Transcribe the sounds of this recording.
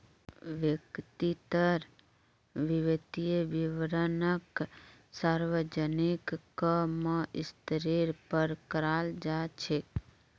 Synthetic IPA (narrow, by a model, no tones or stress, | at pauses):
ʋjəkt̪it̪əɾ | ʋiʋet̪ieʋiʋɾənəksaɾʋəd͡ʒənikːəməɪst̪ɾiɾpəɾkəɾald͡ʒat͡ʃʰe